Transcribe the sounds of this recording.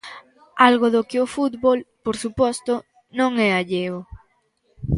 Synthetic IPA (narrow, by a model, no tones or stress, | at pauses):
alɣoðokɪofut̪βolpoɾsupɔst̪ʊ | nõŋɛaʎeo